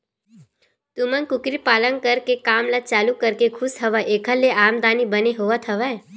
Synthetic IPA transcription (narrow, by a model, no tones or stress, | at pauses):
t̪ʊmənkʊkɾipaːlə̃n̚kɐɾkekaːmlat͡ʃaːlukɐɾkekʰʊsɦɐʋaʔeːkʰəlːeʔaːmd̪aːnibɐneɦoːʋət̪ʰɐʋa